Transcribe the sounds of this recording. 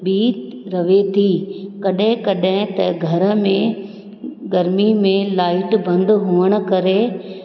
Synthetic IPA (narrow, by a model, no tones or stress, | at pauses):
biːt̪ɾɐʋet̪ʰikɐɗɦɪ̃kɐɗɦɪ̃t̪ɐɡʱɐɾə̆mẽ | ɡɐɾmimẽlaːɪʈbɐ̃nd̪ɦuʋəɽ̃ʊ̆kɐɾe